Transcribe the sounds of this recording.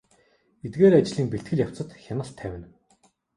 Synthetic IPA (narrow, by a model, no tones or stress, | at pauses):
et̪ɡeːɾat͡ɕɮiːŋpeɬt̪̚ɡɘ̆ɮʲjaw̥t͡sə̆t̪xʲanə̆ɬt̪ʰːæwʲɪ̆n